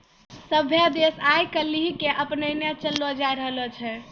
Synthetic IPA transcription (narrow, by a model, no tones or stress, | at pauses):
səbʱjad̪esajkəlːiɦikeʔəpnənjat͡ʃəlːɔd͡ʒajɾəɦlɔt͡ʃʰɛ